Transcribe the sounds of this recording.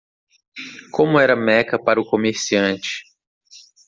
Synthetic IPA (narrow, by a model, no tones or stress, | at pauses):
kõmʊɛɾɐmɛkɐpaɾʊkomeɾsiɐ̃t͡ʃɪ̥